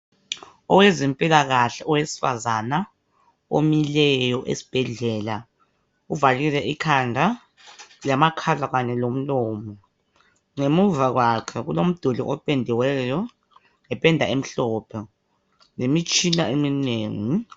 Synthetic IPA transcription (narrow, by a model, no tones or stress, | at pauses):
ɔwezimpʼilaɣaɬɛɔwesi̥fa̰zana | omilɛjɔʔḛsi̥b̥ʱɛɮɛːla | uvalilɛʔikʰandʱa | lamakʰalaɣanɛlom̩lɔːmɔ | ŋemuvaɣwakʰɛɣulom̩d̥ʱuliʔɔpʼendʱiwɛjɔ | ŋɛpʼɛndʱaem̩ɬɔːpʰɛ | nemit͡ʃʼinaemineːŋi